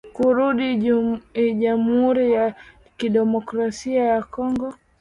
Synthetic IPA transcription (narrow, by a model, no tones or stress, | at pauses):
kuɾuɗi | ʄamhuɾija | kiɗɛmɔkɾasiajakɔŋɡɔ